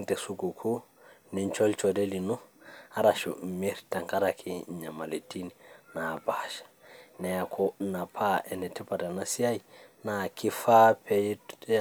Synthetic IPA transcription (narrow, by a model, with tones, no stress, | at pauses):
ŋte˨su˨ɡu˨kʰu˦ | ni˨nt͡ʃo˦lt͡ʃo˨de˦li˨nu˦a˦ɾaʃṵ˨mi˦ɾta˨ŋka˦ɾakʰi˨ɲa˨ma˨le˨ti˦nina˨baʃḁ˨nɛ˨jakʰona˨pʰa˦ɛ˨nɛ˨ti˦pa˨da˨na˦si˦a˦jina˨ki˦fa˦pʰe˨j